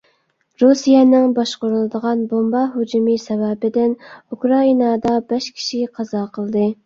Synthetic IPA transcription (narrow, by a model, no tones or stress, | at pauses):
ɾusijɛnɪŋbɑʃqʊɾulˠɨd̪əʁɑnbombɑɦud͡ʒumɨsɛvɛbɪd̪ɪnukʰɾɑinɑd̪ɑbɛʃkʲʰi̥ʃiqʰɑzɑqʰəlˠɨd̪ɨ